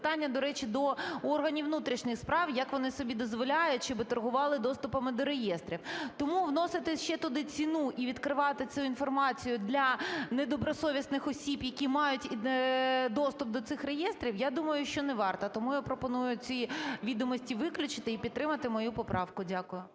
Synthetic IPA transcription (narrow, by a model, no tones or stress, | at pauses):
t̪ɑnʲːɐd̪ɔɾɛt͡ʃid̪ɔɔrɦɐnʲiʋnut̪ɾʲiʃnɪxspɾɑwjɐkʋɔnɪsɔbʲid̪ɔzʋɔlʲajʊtʲʃt͡ʃɔbɪt̪ɐrɦʊʋɑlˠɪd̪ɔst̪ʊpɐmɪd̪ɔɾejɛst̪ɾʲiwt̪ɔmuʋnɔsɪt̪ɪʃt͡ʃɛt̪ʊd̪ɪt͡sʲinuʔiʋʲid̪kɾɪʋɑt̪ɪt͡sʲuinfɔrmɑt͡sʲijʊd̪lʲɐnɛd̪ɔbɾɔsɔʋʲisnɪxɔsʲibjɐkʲimɑjʊtʲ | d̪ɔst̪ʊp̚d̪ɔt̪sɪxrejɛst̪ɾʲiwjad̪umɐjʊʃt͡ʃɔnɛʋɑrt̪ɐt̪ɔmujʊpɾɔpɔnujʊt͡sʲiʋʲid̪ɔmɔsʲtʲiʋɪklʲʊt͡ʃɪ̥t̪ɪipʲidt̪t̪ːɾɪmɐt̪ɪmɔjupɔpɾɑwkʊdʲakʊjʊ